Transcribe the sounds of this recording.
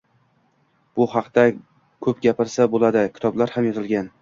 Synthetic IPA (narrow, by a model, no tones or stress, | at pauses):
b̥ʊhɑqt̪a | kʰɵpɡʲapɪɾsabolad̪ɪkʲʰɪ̥t̪ʰɒblaɾhamjɒzɪlɡʲan